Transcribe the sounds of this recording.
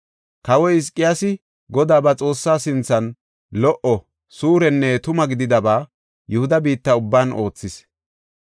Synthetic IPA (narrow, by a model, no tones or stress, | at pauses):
kɐwɔɪs̬kʼːɪjasɪ | ɡɔd̪aːbɐt͡sʼo̞ːsːaːsɪnt͡sːɐn | lɔʔɔ | suːɾɛnːɛt̪ʊmɐɡɪd̪ɪd̪ɐbaː | jɛhʊd̪ɐbiːt̪ːɐʊbːaːno̞ːt͡sːɪs